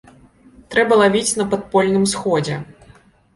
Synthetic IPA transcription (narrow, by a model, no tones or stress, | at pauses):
t̪ɾɛbɐlˠavʲit͡sʲnɐpat̪̚pɔlʲnɨmsxɔd͡zʲɛ